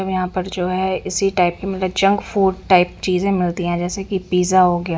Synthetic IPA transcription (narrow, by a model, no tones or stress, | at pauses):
ɐbjɐɦãpəɾd͡ʒoːɦɛɪsiʈaːɪp̚kimɐt̪əbd͡ʒɐ̃ŋɡfʰuːɖʈaːɪpt͡ʃiːzẽmɪlt̪iɦɛ̃d͡ʒɛːsekipiːzaɦoɡɪjaː